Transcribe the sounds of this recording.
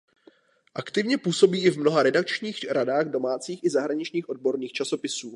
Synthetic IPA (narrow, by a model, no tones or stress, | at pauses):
ʔakt̪ɪvɲɛpuːso̞biːɪvmno̞ɦaɾɛdak̚t͡ʃɲiːxɾadaːɣdo̞maːt͡siːxɪzaɦɾaɲɪt͡ʃɲiːxʔo̞d̚bo̞ɾniːxt͡ʃaso̞pɪsuː